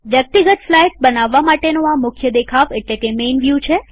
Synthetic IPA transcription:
ʋjək̚t̪iɡət̪flajʈbənaʋːamaʈenoamʊkʰjəd̪ekʰaʋeʈlekemenʋjut͡ʃʰe

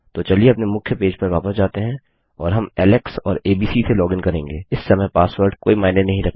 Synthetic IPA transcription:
t̪oːt͡ʃɐlieɐpnemʊkʰjəpeːd͡ʒpɐɾʋaːpəsd͡ʒaːt̪eɦɛ̃ | ɔːɾɦɐmɛːlɛksɔ̰ːɾeːbiːsiselɔːɡɪnkɐɾẽːŋɡeːɪsːɐmɛpaːsʋəɾɖkoːimaːɪnenɐɦĩɾɐk̚ʰt̪

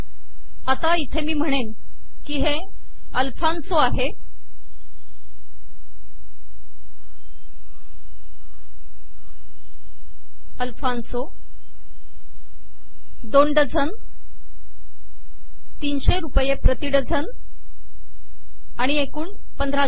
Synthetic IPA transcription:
at̪ait̪ʰemiːm̤əɽ̃en | kiɦe | əlfansoaɦe | əlfʰanso | d̪onɖəd͡zʱən | t̪iːnɕeɾupjepɾət̪iɽəd͡zʱən | aɽ̃iekuːɳ | pənd̪ʱɾa

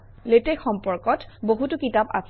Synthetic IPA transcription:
letexɔmpɔɹkɔtboɦutʊkitapa̰s

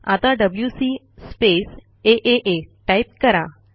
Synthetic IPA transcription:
a̰t̪ãɖəbljusi | spes | eʔeʔeʈajp̚kəɾa

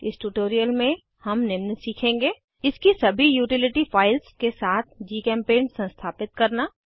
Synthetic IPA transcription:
ɪsʈuːʈoːɾijəlmẽ | hɐmnɪmnsiːkʰẽːŋɡeː | ɪskisɐbʱijuːʈɪlɪʈifaːɪlskesaːt̪ʰd͡ʒiːkɛ̃ːmpeːnsɐ̃nst̪ʰaːpɪt̪̚kɐɾnaː

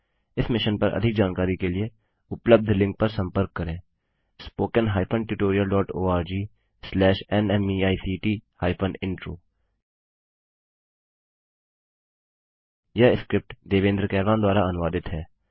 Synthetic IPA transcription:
ɪsmɪʃənpəɾʔə̰d̪ʱɪk̚d͡ʒaːnkaːɾiːkelɪeː | ʊpləb̚d̪ʱlɪ̃ŋk̚pəɾsə̃mpəɾkːəɾẽː | spoːkənɦaːjpʰənʈɪʈoːɾɪjəlɖɔːʈoːaːɾd͡ʒiː | slɛːʃɛnɛmiːaːisiːʈiːhaːɪpʰənɪ̃ɳʈɾo̰ː | jaːɪskɾɪp̚ʈd̪eːʋẽːnd̪ɾəkɛːɾlãːd̪waːɾaːənʋaːd̪ɪt̪ɦɛː

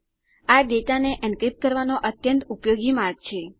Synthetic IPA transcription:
aɖeʈaneʔənkɾip̚ʈ̚kəɾʋanoʔət̪jə̃nt̪upjoɡimaɾɡ̚t͡ʃʰe

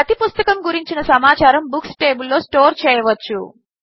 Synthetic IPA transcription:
ɐt̪ipust̪ɐkɐmɡuɾiɲt͡ʃinɐsɐmaːt͡ʃaːɾɐmbuksʈe̞ːbulːo̞ːsʈo̞ːɾt͡ʃɛːjɐʋɐt͡ʃːṵ

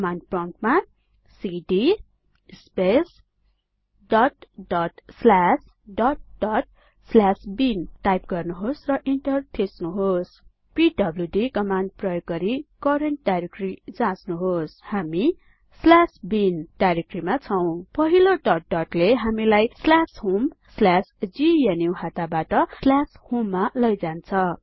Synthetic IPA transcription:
kʌmanɖprʌ̃ʈma | siɖi | spes | ɖʌʈɖʌʈslas | ɖʌʈ̚ɖʌʈ̚ | slasbinʈajp̚ɡʌrnuɦosrʌʔiɳʈʌrt̪ʰesnuɦos | piɖʌbljuɖikʌmanɖ̚prʌjoɡːʌɾikʌɾeɳʈɖaɾekrid͡zãsnuɦoshami | slasbinʈaɾekrimat͡sʰʌw̃pʌɦiloʈʌʈ̚ɖʌʈleɦamilajslashumslasd͡zijenjuɦat̪abaʈʌslashumːalʌjd͡zant͡sʰʌ

